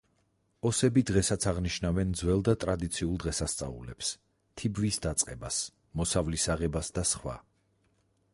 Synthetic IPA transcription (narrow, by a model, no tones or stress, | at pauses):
ɔsɛbid̪ʁɛsat̪sʰaʁniʃnavɛnd̪zwɛlˠd̪at̪ʼɾad̪it̪sʰiulˠd̪ʁɛsast̪sʼa̰ṵlɛps | t̪ʰibvisd̪at̪sʼqʼɛbas | mɔsavlisaʁɛbasd̪asχwa̰